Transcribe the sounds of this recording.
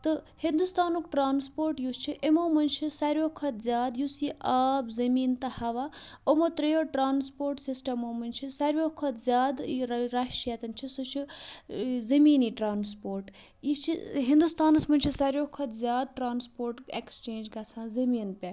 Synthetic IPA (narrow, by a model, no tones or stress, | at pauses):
t̪ɨhind̪ust̪aːnokʈɾaːnspoːɾʈjust͡ʃʰiʔemoːmɐnt͡ʃʰisɐɾjoːkʰɐt̪zʲjaːd̪jusiʔaːbzɐmiːnt̪ɐhɐʋaomot̪ɾɐjoʈɾaːnspoːɾʈsisʈɐmoːmɐnt͡ʃʰisɐɾjoːkʰɐt̪zʲjaːd̪ɾaʃʈijat̪ɐnt͡ʃʰisot͡ʃʰi | zɐmiːniʈɾaːnspoːɾʈ | it͡ʃʰiɦind̪ust̪aːnɐsmɐnʲt͡ʃʰisaɾjoːkʰːɐt̪zʲjaːd̪̚ʈɾaːnspoːɾʈekst͡ʃeːnd͡ʒɡat͡sʰãːzɐmiːnpʲa